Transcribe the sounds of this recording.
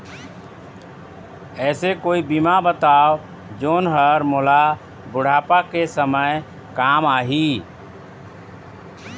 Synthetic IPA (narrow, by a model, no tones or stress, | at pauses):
ɛːsekoːibimabət̪aːʋ | d͡ʒoːnɦəɾmola | bʊɽ̤aːpakesəməj | kaːmaːɦiː